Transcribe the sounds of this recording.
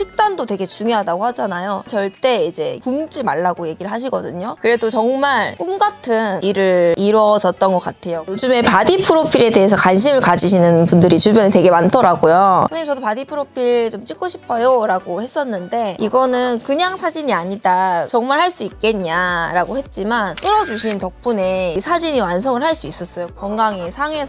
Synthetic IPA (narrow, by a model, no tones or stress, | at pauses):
t͡ɕʰik̚t͈andote̞ɡe̞t͡ɕuŋjʌɦadaɡohad͡ʑanajot͡ɕʌɭt͈e̞id͡ʑe̞kumd͡ʑimaɭːaɡoje̞ɡiɾɯɭɦaɕ̬ʰiɡʌdɯɲokɯɾe̞dot͡ɕʌŋmaɭk͈unɡatʰɯniɾɯɭiɾʌd͡ʑʌt̚t͈ʌnɡʌk͈atʰe̞jojod͡ʑume̞padipʰɯɾopʰiɾe̞de̞ɦe̞sʰʌkwanɕ̬ʰimɯɭkad͡ʑiɕʰinɯnpundɯɾit͡ɕuɭbjʌnete̞ɡe̞mantʰʌɾaɡojoɯimt͡ɕʌdopadipʰɯɾopʰiɭt͡ɕomt͡ɕ͈ikʰoɕʰi̥pʰʌjoɾaɡohe̞s͈ʌnːɯnde̞iɡʌnɯnkɯɲaŋsʰad͡ʑiɲiaɲidat͡ɕʌŋmaɭhaɭs͈uik̚k͈e̞ɲaɾaɡohe̞t̚t͡ɕ͈imant͈ɯɾʌd͡ʑuɕʰintʌk̚p͈une̞isʰad͡ʑiɲiwansʰoŋɯɭɦhaɭs͈uis͈ʌs͈ʌjokwʌŋɡaŋesʰaŋe̞sʰ